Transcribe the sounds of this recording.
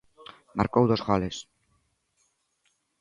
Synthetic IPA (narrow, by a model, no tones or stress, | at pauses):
ma̰ɾkowðozɣoles